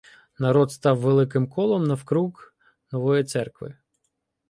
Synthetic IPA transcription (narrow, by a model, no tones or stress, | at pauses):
nɐɾɔd̪st̪ɑwːelˠɪk̬ɪmkɔlˠɔmnɐwkɾuɣ | nɔʋɔjit̪sɛrkʋɪ̰